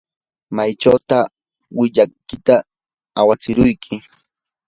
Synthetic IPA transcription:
majt͡ʃawt̪a | wɪʎakɪt̪a | awat͡sɪɾʊjkʰɪ

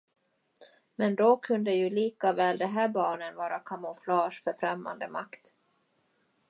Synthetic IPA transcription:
mɛnd̪ɔkʰɵnd̪əjɵliːkavɛːld̪ɛɦæːɾbɑːɳənvɑːɾakʰamʊflɑːʂfœɾfɾɛmːa̰nd̪əma̰kt̪

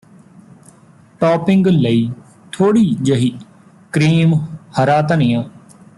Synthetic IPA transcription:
ʈɔːpɪ̃ŋɡləiː | t̪ʰoːɽiːd͡ʒəɦiː | kɾiːmhəɾaːt̪ənijãː

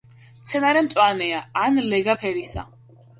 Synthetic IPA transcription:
mt̪sʰɛnaɾɛmt̪sʼwanɛaanlɛɡapʰɛɾisa̰

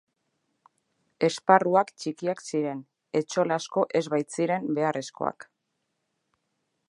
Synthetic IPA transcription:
e̞sparuakt͡ʃikiaksiɾe̞n | e̞t͡ʃo̞lasko̞ʔe̞zβajt͡siɾe̞mbe̞are̞sko̞̰a̰k

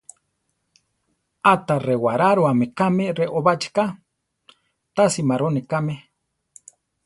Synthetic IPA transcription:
at̪arewaɾaɾwamekameɾeʔoβat͡ʃka | t̪asimaɾonikame

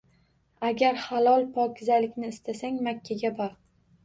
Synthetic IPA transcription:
aɡʲaɾhalˠɒlˠpʰɒkʲʰɪzalɪkʲnɪːst̪ʰasaŋmakʲʰːaɡʲabɒɾ

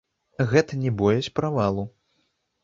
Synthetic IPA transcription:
ɣɛt̪ɐnʲɛbɔjɐt͡sʲpɾavalˠu

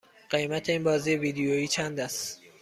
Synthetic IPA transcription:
ɢ̥emæt̪ʰeiːnbɒːziːeviːd̪ejoiːt͡ʃʰænd̪æst̪

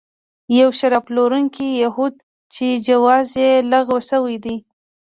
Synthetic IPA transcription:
jawʃaɾɑploɾuŋkijahud̪ | t͡ʃed͡ʒawɑzjelaɣwasəwəjd̪i

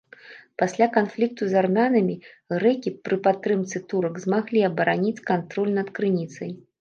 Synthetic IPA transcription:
pasʲlʲakanflʲik̚t̪uzarmʲanɐmʲi | ɣɾɛkʲipɾɨpat̪ːɾɨmt̪sɨt̪uɾɐɡzmaɣlʲiɐbɐɾanʲit͡sʲkant̪ɾɔlʲnɐt̪kɾɨnʲit̪sɐj

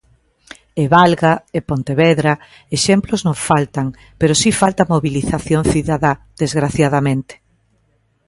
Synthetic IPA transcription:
eβalɣaepont̪eβɛðɾa | eʃɛmploznõŋfalt̪aŋ | peɾosifalt̪amoβiliθaθjoŋθiðaðaðezɣɾaθjaðamẽnt̪e̥

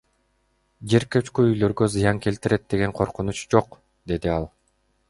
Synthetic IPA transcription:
d͡ʒe̞ɾkøt͡ʃkyyjlø̞ɾɡøzɯjɑŋke̞lt̪iɾe̞t̪̚d̪e̞ɡe̞ŋqʰo̞ɾqunut͡ʃd͡ʒo̞q | d̪e̞d̪iɑlˠ

